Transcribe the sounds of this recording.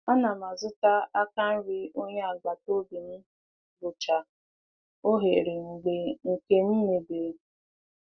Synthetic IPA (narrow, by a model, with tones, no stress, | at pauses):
a˦na˨ma˨zʊ˦ta˦a˦ka˦n̩˦ɾi˦o˦ɲe˦a˨ɡ͡ba˨to˦bi˨n̩˦ | bʊ˨t͡ʃa˨ | o˦ɦḛ˨ɾi˨ŋ̩˨ɡ͡be˨ŋ̩˨ke˦n̩˦me˨be˨